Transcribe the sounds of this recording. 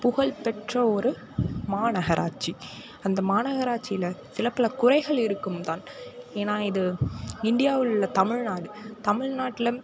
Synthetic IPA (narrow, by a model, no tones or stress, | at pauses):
pʊɣɐɭpɛʈrɐɔɾɯ | maːnɐɣɐɾʔa̰ːʈ̚t͡ʃi | ɐnd̪ɐmaːnɐɣɐɾaːʈ̚t͡ʃɪjɪlɐsɪlɐpːɐlɐkʊrɐɪɣɐɭɪɾɯkːɯmt̪aːneːnaːɪðɯɪɳɖɪjaːʋɪɭɯɭːɐt̪ɐmɪɻnaːɽɯt̪ɐmɪɻnaːʈːɪlɐ